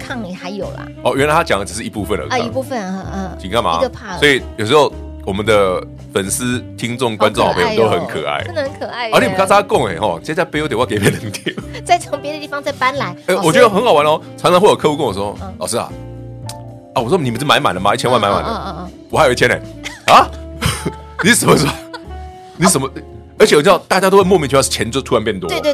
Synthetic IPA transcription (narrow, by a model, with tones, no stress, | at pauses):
kʰɑ˥˩ŋli˨˩xa˧˦ɪjo˨˩ʊlə̰˦ɔ˥˩jɥɛ˥nla˧ɪt̪ʰa˥t͡ɕjɑ̰˨ŋə˧ʈ͡ʂɻ̩˨˩ʂɻ̩˥˩i˧˥pu˥˧fə˨nlə̰˨˩˧i˧u˥˧fə˨n˧˩t͡ɕʰi˨˩ŋkʰa˥˩nma̰˨˥˧swɔ˧˥i˨jʂ̬̩˧˥o˥˩ʊ | wɔ˨˩mə˦nd̪ə˨ | fə˨˩ns̩˦˥t̪ʰi˦ŋt͡sʊ˥˨ŋkwa˦nt͡sʊ˥˧ŋxpʰe˧˩˨t̪o˦˥xə˧˦nkʰə̰˨˩a̰˥˩ɪ˥ə˧˦nkʰə˨˩a˥˩ɪə˧˥i˥˨˩m˨˩k̪ʰa˥˩˥a˥˧kʊ˥˨˩ŋḛ˨˩xɔ̰˥˧t͡ɕt͡ɕa˥˩ɪpe˥o˧˥t̪̬wke˧ɪ˨pjɛ˥˩nə˨˦ŋt̪ʰi˥˩t͡sa˥˩ɪo˧˦ŋpjɛ˦d̪ə˧˩i˥˩fɑ˧˦ŋt͡sa˥˧ɪpa˦nla˧˦ɪe˥˩wɔ˨˩t͡ɕɥɛ˧˥d̪ə˧xə˧˥nxɑ˨˩ʊwa˦n˧˩xɔ˥˩t͡sʰa˧˥nt͡sʰɑ˧˦xwɔ˥˩jo˨˩kʰɤ˥˧u˥ko˥˩ŋ˩ʂ̩˧˥o˥˧ɔ̰˥˨˩ʂ̩˥˩a̰˨˩ | a˧˩wwɔ˥˨ni˨˩ə˨˦n̩˥˩ma˧˦nma˨˩ndə˩ma˨˦i˥˩t͡ɕʰɛ˥wa˥˧ma˧˦nma̰˨˩nd̪ə˦ | wɔ˨˩a˧˥o˨˩˨i˥t͡ɕʰɛ˥nḛ˨˩a˧˦ | ni˨˥ʂə˨˩mə˦ʂ̩˥˩ | ni˨˥ʂə˨˩mə˧˦ | ə˧˥t͡ɕɛ˨˩t͡ɕt̪a˥˩t͡ɕja˥t̪o˥xwe˥˧mɔ˥˧mjt͡ɕ̩ʰ˥˩˥t͡ɕʰjɛ˧˦nt͡st̪ʰu˥a˧˦npjɛ˥˩nt̪wɔ̰˦˥˧